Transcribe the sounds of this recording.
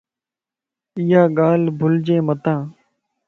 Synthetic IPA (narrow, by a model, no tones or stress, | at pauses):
ɪjaːɠaːlbʱʊld͡ʒeːmət̪ãː